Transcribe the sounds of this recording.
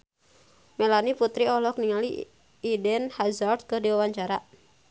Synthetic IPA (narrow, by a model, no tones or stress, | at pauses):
mɛlaniput̪ɾiɔlɔk̚niŋaliː | dɛnhazard̪̚kɨrdiwawaɲt͡ʃaɾa